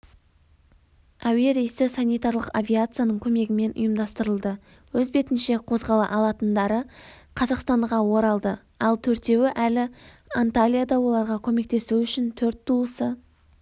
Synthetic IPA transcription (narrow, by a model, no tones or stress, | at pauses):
aweɾejsɪsanʲijt̪aɾlˠəqavʲijat̪sɨjanəɴkʲʰɵme̞ɡʲɪme̞nʔʊ̰jəmd̪ɑst̪əɾəlˠd̪ə | wɵzbe̞t̪ɪnʃe̞qʰo̞zʁɑlˠɑ̰ʔɑlˠɑt̪ənd̪ɑɾəqʰɑzɑqst̪ɑɴʁɑwo̞ɾɑlˠd̪ə | ɑlˠt̪ʰɵɾt̪e̞wɪʔælɪ | ant̪alʲijad̪ɑwo̞lˠɑɾʁɑkʲʰɵme̞k̚t̪e̞suʏʃɪnt̪ʰɵɾt̪ːuəsə